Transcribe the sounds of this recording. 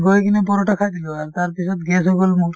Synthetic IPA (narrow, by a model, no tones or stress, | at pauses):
ɡojkinepɔɾɔʈakʰad̪iloaɾt̪aɾpisʰɔt̪ɡɛsɦoɡolmuɾ